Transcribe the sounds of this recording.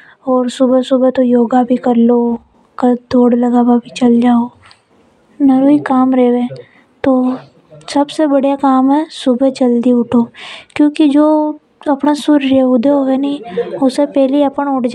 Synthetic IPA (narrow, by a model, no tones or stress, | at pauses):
ɔːɾsʊbesʊbet̪ojoːɡabʱikɐɾlo | kad̪ʱoːɽlɐɡaːbabʱit͡ʃɐld͡ʒaːo | nɐɾoːikaːmɾɛːʋẽː | t̪oː | sɐbsebɐɽjakaːmɦɛsʊbʱed͡ʒɐld̪iʊʈʰoːkjõːkid͡ʒoː | ɐpnasʊɾɾeʊd̪ʱeoɦɛnaĩʊsepɛːɦliɐpəɳʊʈʰd͡ʒ